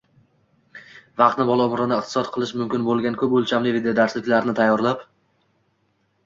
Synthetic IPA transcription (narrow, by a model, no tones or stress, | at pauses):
vɑq̚t̪nɪbɒlˠaʊmɾɪnɪɪqt̪ʰɪ̥sɒt̪̚qʰɨlˠɪʃmʊmkʲɪnbolˠɡʲankʰɵpɵlˠt͡ʃʰamlɪved̪ejod̪aɾslɪkʲlaɾnɪt̪ʰajːɒɾlap